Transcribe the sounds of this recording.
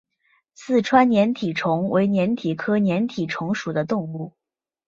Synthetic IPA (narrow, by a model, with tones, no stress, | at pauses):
t͡sʰɹ̩˥˩ʈ͡ʂʰwa˥nnjɛ˧˥nt̪ʰi˨˩ʈ͡ʂʰʊ˧˥ŋwe˧˥ɪnjɛ˧˥nt̪ʰi˨˩kʰɤ˥njɛ˧˥nt̪ʰi˨˩ʈ͡ʂʰʊ˧˥ŋʂu˨˩d̪ə˦t̪ʊ˥˧ŋu˥˩